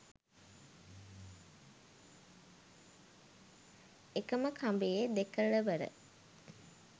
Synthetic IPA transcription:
ekəməkʰambejed̪ekəɭəʋəɾə̰

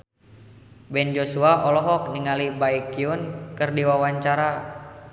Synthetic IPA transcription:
bɛnd͡ʒosuaʔɔlɔɦɔk̚niŋalibaikiʊnkɨrdiwawaɲt͡ʃaɾa

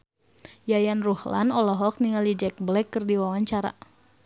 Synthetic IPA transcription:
jajanruhla̰nɔlɔɦɔk̚niŋalid͡ʒɛk̚blɛkːɨrdiwawaɲt͡ʃaɾa̰

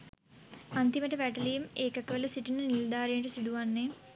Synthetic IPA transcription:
ant̪iməʈəʋæʈəlijimeːkəkəʋələsiʈinənild̪aːɾijʈəsid̪uʋanːe

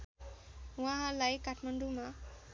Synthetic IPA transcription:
wãɦãlajkaʈʰmaɳɖuma

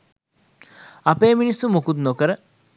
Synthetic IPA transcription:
apeːminisːumukut̪nokəɾə

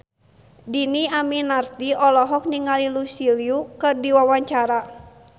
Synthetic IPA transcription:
diniaminart̪iʔɔlɔɦɔk̚niŋalilusiliukɨrdiwawaɲt͡ʃaɾa

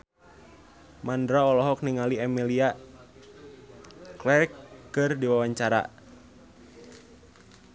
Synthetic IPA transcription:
mandɾaɔlɔɦɔk̚niŋaliɛmilia | klɛrkːɨrdiwawaɲt͡ʃaɾa̰

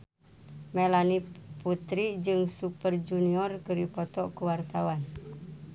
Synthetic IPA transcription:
mɛlaniput̪ɾid͡ʒɨŋsupərd͡ʒuniɔrkəɾipɔt̪ɔkuwart̪awan

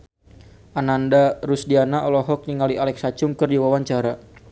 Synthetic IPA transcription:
ʔanandaɾusdianaʔɔlɔɦɔk̚niŋaliʔalɛksat͡ʃuŋkɨrdiwawaɲt͡ʃaɾa

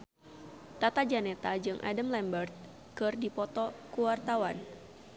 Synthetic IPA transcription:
t̪at̪ad͡ʒanɛt̪ad͡ʒɨŋʔa̰dəmlɛmbərt̪̚ | kɨrdipɔt̪ɔkuwart̪awan

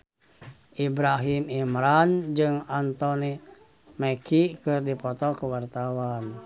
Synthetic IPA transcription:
ʔibɾaɦimimɾand͡ʒɨŋant̪ɔni | mɛkikɨrdipɔt̪ɔkəwart̪awan

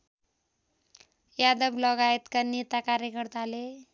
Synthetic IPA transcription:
jad̪ʌblʌɡajt̪kanet̪akaɾjekʌrt̪ale

